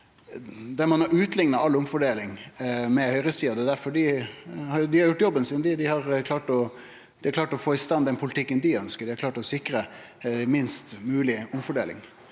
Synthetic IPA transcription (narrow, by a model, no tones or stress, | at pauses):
d̪ɛɾmɑnɑɾʉːt̪lɪŋnɑɑlːʊmfɔɖeːlɪŋmɛhœʏɾəsiːɑd̪ɛd̪æɾfɔɖɪhɑɾd̪ɪhɑɾjʊʈːjɔbːənsɪnd̪ɪd̪ɪhɑɾkʰlɑːʈɔ | d̪ɪhɑɾkʰlɑːʈɔfoːɪst̪ɑnd̪ɛnpʰʊlɪt̪ʰɪkːənd̪iœnskəɾɖɪhɑɾklɑːʈɔsɪkɾə | mɪnst̪mʉːlɪʊmfɔɖeːlɪ̰ŋ